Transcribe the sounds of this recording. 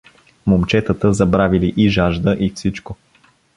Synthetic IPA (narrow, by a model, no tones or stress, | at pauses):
momt͡ʃɛt̪ət̪əzɐbɾaviliʔiʒaʒd̪əʔifsit͡ʃko